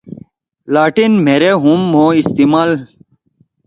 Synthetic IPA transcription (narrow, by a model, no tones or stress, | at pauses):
laːʈinm̤ʱeɾeɦũmːoist̪imaːl